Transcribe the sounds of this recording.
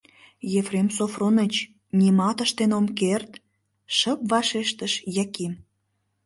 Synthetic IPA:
jefremsofronət͡ɕ | nʲimɑt̪əʃt̪enomkert̪ | ʃəpvɑʃeʃt̪əʃjækim

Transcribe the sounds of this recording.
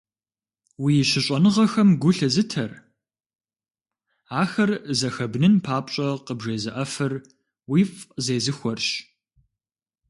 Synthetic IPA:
wijɪʃɪɕʼɐnɨʁɐxɐmɡʷʊɬɐzɨtʰɐr | aːxɐrzɐxɐbnɨnpʰaːpɕʼɐqəbʒeːzɨʔɐfɨr | wifʼzeːzɨxʷɔrɕ

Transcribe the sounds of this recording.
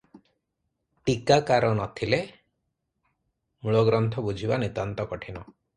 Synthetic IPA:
ʈikakaɾɔnɔt̪ʰile | muɭɔɡɾɔnt̪ʰɔbud͡ʒʱibanit̪ant̪ɔkɔʈʰinɔ

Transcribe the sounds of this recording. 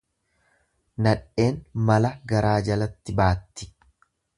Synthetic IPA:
nɐᶑʔe̞ːnmɐlɐɡɐɾaːd͡ʒɐlɐt̪ːɪbaːt̪ːɪ̥

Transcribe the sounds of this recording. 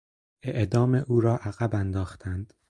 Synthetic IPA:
ʔe̞ʔd̪ɒːmeʔuːɾɒːʔæɣæbænd̪ɒːxt̪ʰænd̪̥

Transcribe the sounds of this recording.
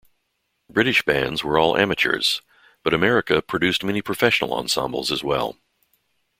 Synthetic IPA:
b̥ɹɪɾɨʃb̥æ̰̃ndzwə˞ɔlˠʔæ̰mɨt͡ʃə̰˞z̥ | b̥ʌɾɨmɛɹɨkɨpʰɹ̥ɨdʉst̚mɛnipʰɹ̥ɨfɛʃn̩l̩ˠɑ̰̃nsɑ̰̃mbl̩ˠzəzwɛ̰lˠ

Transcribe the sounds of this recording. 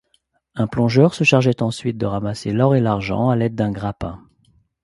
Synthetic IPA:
ɛ̃plɔ̃ʒœʁsəʃaʁʒɛt̪ɑ̃sɥit̪̚d̪əʁamaselɔʁelaʁʒɑ̰̃alɛd̪̚ːɛ̃ɡʁapɛ̃

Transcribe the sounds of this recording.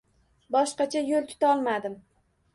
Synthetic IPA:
bɒʃqɑt͡ʃʰajolˠt̪ʰʊ̥t̪ʰaɒlˠmad̪ɪm

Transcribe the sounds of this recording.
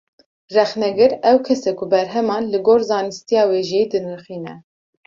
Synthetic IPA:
rɛxnɛɡɨɾɛwkʰɛsɛkʊbɛɾɦɛmɑːnlɨɡoːɾzɑːnɨst̪ijɑːweːʒid̪ɨnɨɾxiːnɛ

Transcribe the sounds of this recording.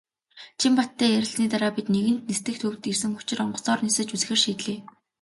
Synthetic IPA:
t͡ɕʰimpat̪ʰːæːjæɾʲɪ̆ɮniːt̪aɾaːpit̪neɣɘ̆n̥t̪̚nest̪ɘ̆xt̪ʰɵwt̪ɡirsɘ̆ŋxʊ̥t͡ɕɪ̆rɔɴɢɞ̆sɔːrnisɘ̆t͡ɕut͡s̆xĕrʃiːt̪ɮeː

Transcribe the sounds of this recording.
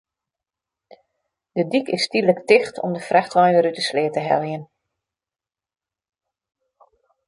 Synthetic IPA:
d̥ədikɪstidləktɪxtʰɔ̰mdəfraxtʋajʋəɾytəslɪːətəɦɛ̰lˠjən

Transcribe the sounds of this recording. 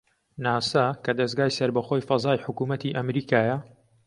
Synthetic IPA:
naːsɐkɐd̪ɐzɡaːjsɐɾbɐxojfɐzaːjħʊkumɐt̪iːʔɐmɾiːkaːjɐ

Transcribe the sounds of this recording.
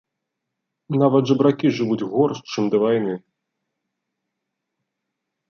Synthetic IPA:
navɐd̪ʐɐbɾakʲiʐɨvud͡zʲɣɔrst͡ʂɨmd̪ɐvajnɨ

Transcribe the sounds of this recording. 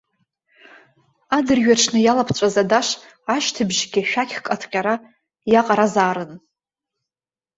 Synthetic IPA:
adɨrɥaʈ͡ʂʰnɨjalapʰt͡ɕʷʼazadaʂ | aʃtʰɨbʒɡʲɪʃᶣakʲχkʼatʰqʲʼaɾa | jaqʼaɾazaːɾɨn

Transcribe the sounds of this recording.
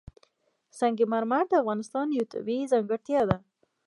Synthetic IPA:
saŋɡemaɾmaɾd̪əafɣɑnɪst̪ɑnjut̪ṵbizaŋɡəɽt̪jɑd̪a

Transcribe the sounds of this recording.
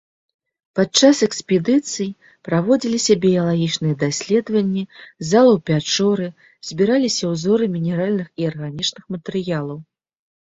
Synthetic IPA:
pat̪̚t͡ʂasɛksʲpʲɛd̪ɨt̪sɨji | pɾavɔd͡zʲilʲisʲɐbʲijɐlˠaɣʲit͡ʂnɨjɛd̪asʲlʲɛd̪vɐnʲːizalˠɐwpʲat͡ʂɔɾɨ | z̥ʲbʲiɾalʲisʲɐwzɔɾɨmʲinʲɛɾalʲnɨxiarɣanʲit͡ʂnɨxmɐt̪ɛɾɨjalˠɐw

